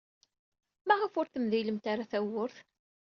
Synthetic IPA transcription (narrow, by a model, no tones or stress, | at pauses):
mæʁəfʊɾθəmðiləmt̪aɾaθæwʊɾθ